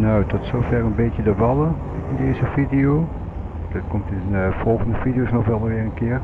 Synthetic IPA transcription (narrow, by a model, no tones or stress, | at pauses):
nowtɔtsowvɛrənbejtjədəʋɑlə | ɪndejzəvidijo | dətkɔmtɪnnv̥ɔlˠχəndəvidijosnɔχʋɛlˠʋɪːɹənkɪːɹ